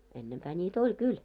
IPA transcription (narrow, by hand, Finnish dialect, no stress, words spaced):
enːempæː nʲiːt olʲ kyl